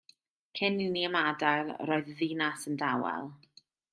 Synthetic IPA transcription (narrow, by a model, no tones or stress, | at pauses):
kʰɪnɪniəmadalrɔːɨððinasəndawɛ̰lˠ